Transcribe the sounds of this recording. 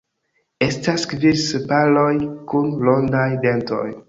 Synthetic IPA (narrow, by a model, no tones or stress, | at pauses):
e̞staskviɾsepalo̞jkunlo̞ndajdento̞̰j